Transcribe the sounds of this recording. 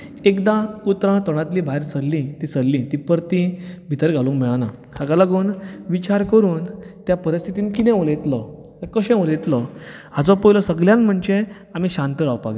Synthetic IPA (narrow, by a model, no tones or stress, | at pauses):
ekd̪ãput̪ɾãt̪ɔɽ̃ãt̪liːbʱaeɾsəlːĩt̪isəlːĩt̪ipəɾt̪ĩbʱit̪əɾɡʱalũːmmeɭana̰kakalaɡuːnʋit͡ɕaɾkəɾuːnt̪japəɾist̪ʰit̪iːnkit̪ɛ̃ʋolet̪lɔ | kəɕɛ̃ʋolet̪ləhat͡sɔpəjlɔsəɡljãnm̤əɳd͡ʑe | am̤iːɕãnt̪əɾaʋpa̰ɡ